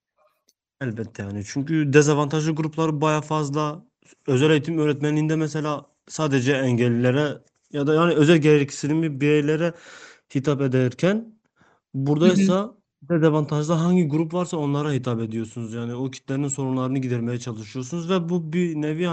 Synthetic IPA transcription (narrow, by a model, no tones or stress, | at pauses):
ælʲbɛt̪ʰːɛjaːnit͡ʃʰyɲcʰyd̪ezavant̪ʰaʒlˠɯɡuɾuplˠaɾɯbajafazlˠa | ø̞zælʲejit̪ʰimøːɾɛt̪mɛnlʲiːnd̪ɛmɛselʲaː | saːd̪ed͡ʒɛːɲɟɛlʲːilʲeɾɛ | jad̪ajaːniø̞zælʲɟeɾɛcʰi̥silimibiɾejlʲeɾɛhit̪ʰaped̪eɾcʰæn | buɾd̪ajsa | d̪ezavant̪ʰaʒld̪ˠaɦaɲɟiɡuɾupvaɾsao̞nlˠaɾahit̪ʰape̞d̪ijoɾsunuzjaːniocʰi̥t̪ʰlʲeɾininso̞ɾumlˠaɾɯnɯɟid̪ɛɾmejɛt͡ʃʰalˠɯʃɯjosunuzvɛbubinevia